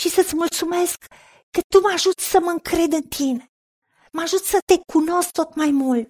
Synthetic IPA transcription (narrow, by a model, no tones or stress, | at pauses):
ʃisət̪sʲmult̪sumeskː | ət̪umaʒut̪səməŋkɾe̞d̪ɨnt̪ʰine | məaʒut̪sət̪ekʰuno̞skt̪ot̪majmult̪